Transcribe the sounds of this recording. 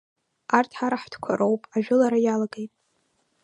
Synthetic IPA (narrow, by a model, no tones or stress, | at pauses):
artʰħaɾaħdkʷʰa̰ɾʔowpʼaʒᶣʊlaɾajalaɡejtʼ